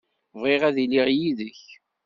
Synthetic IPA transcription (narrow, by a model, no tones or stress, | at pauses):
vʁeʁæðiliʁjiðəç